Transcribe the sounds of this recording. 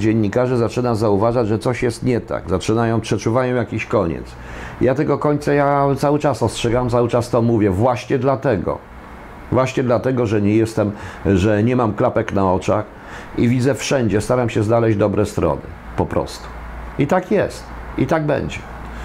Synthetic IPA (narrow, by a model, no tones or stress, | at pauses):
d͡ʑeɲʲːikaʐɛzat͡ʂɘnazauvaʐad͡ʑʐɛt̪sɔɕjɛst̪ɲɛt̪a̰ɡzat͡ʂɘnajɔ̃w̃pʂɛt͡ʂuvajɔ̃jakʲiɕkɔɲɛ̰t̪s | jat̪ɛɡɔkɔɲt̪sajat̪sawɘt͡ʂasɔstʂɛɡawamt̪sawɘt͡ʂast̪ɔmuvʲjɛvwaɕɲɛd̪lat̪ɛɡɔ̰ | vwaɕɲɛd̪lat̪ɛɡɔʐɛɲɛjɛst̪ɛmʐɛɲɛmamklapɛknaɔt͡ʂa̰x | ivʲid̪zɛfʂɛɲd͡ʑɛst̪aɾamɕɛznalɛʑd̪ɔbɾɛst̪ɾɔ̰nɘ̰ | pɔpɾɔ̰st̪u̥ | it̪akjɛst̪it̪aɡ̚bɛ̰ɲd͡ʑɛ